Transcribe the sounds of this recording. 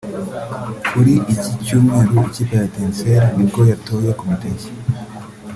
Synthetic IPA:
kuɾiʔicicuːmŋe̞ːɾuicipaɾatenseɾaniɡojatojakomiteji̥

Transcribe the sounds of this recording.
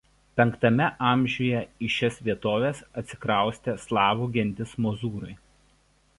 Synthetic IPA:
pʲɛŋkt̪ɐmʲɛʔɑˑmʲʒʲuːjɛɪʃʲɛsʋʲiɛt̪oːʋʲeːsɐt̪ʲsʲɪ̥kɾɑˑʊsʲt̪ʲɛslˠɑːʋuːɡʲɛnʲd̪ʲɪsmɔːzuːɾʊɪ

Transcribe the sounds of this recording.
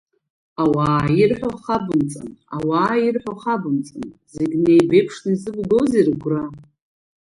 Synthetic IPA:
awaːjirħʷᶣaχabɨmt͡sʼa̰na̰waːjirħʷaχabɨmt͡sʼanzeɡʲnejbejpʰʂnaizɨbɡowzirɡʷra

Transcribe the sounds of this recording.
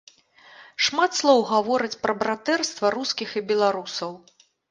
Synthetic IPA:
ʂmat̪slˠɔwɣavɔɾɨt͡sʲpɾɐbɾat̪ɛrst̪vɐɾuskʲixibʲɛlˠaɾusɐw

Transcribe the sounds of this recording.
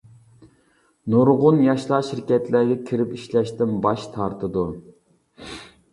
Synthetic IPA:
nuɾʁʊnjɑʃlˠɑʃiɾkʲɛt̪læɡʲɛkʲʰiɾɪpiʃlɛʃt̪ɪnbɑʃt̪ʰɑɾt̪ʰɨd̪u

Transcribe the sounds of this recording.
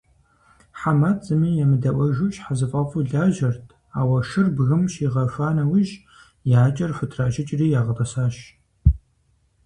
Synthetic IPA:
ħamat͡sʼɨmiːjɛmɨdɐʔʷɐʒut͡ʃʼħazɨfʼɐfʼuɮaːʒɐrtʰ | aːwɐʃɨrbɣɨmʃiːʁɐfaːnɐwiʒ | jaːt͡ʃʼɐrħʷʊtʰraːʒɪt͡ʃʼriːjaːʁɐpʼɐsaːɕ

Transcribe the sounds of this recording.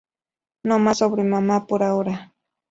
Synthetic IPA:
nomasobɾɪmamapʊɾawɾa

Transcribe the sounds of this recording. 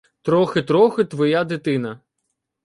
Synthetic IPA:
t̪ɾɔxɪt̪ɾɔxɪt̪ʋɔjad̪ɪt̪ɪnɐ

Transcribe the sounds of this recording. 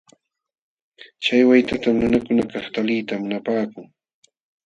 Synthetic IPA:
t͡ʃajwajt̪at̪amnʊnakʊnakɑχt̪alijt̪amʊnapaːkʊŋ

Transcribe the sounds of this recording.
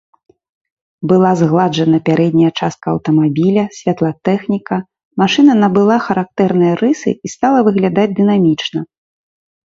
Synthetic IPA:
bɨlˠazɣlˠad͡ʐɐnɐpʲaɾʔɛd̪ʲnʲɐjɐt͡ʂast̪̚kɐːwt̪ɐmabʲilʲɐsʲvʲat̪lˠɐt̪ɛxnʲikɐ | maʂɨnɐnɐbɨlˠaxɐɾak̚t̪ɛrnɨjɐɾɨsɨ̰ist̪alˠɐvɨɣlʲad̪ad͡zʲd̪ɨnamʲit͡ʂnɐ

